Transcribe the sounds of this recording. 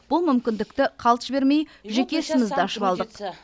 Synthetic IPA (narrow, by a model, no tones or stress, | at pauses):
b̥ʊlˠmʏmkʲɪnd̪ɪkt̪ɪqʰɑlˠt̪ə̥ʃbe̞ɾme̞jʒe̞kʲe̞sɪmɪzd̪ɪɑʃəpɑlˠd̪əq